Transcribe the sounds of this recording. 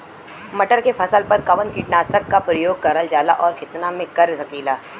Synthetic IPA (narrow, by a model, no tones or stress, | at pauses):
mɐʈəɾkepʰɐsəlpɐɾkɐʋə̃nkiːʈnaːsəkːapɾəjoːɡ̚kɐɾəld͡ʒaːla̰ʔɔːɾkʰɪt̪namẽkɐɾsɐkiːlaː